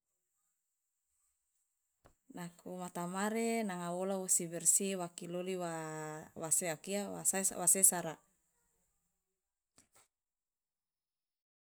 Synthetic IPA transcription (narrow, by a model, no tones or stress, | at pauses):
nakʰumat̪amaɾenaŋawolawusibɛrsiwakiloliwawaseakiaasaswasesaɾa